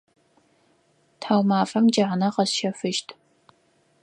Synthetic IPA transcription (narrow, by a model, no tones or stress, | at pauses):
tʰħaːwmaːfɐmd͡ʒɐʕanɐqɐsʃɐfɨʃtʰ